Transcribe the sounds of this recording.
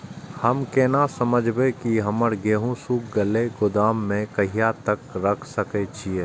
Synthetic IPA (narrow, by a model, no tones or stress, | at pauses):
hɐmkeːnasəməd͡ʒʱbekiɦɐməɾɡeːɦũsuːk̚ɡəleɡʊd̪aːmːẽkɐɦijat̪əkɾɐkʰsəket͡ʃʰieː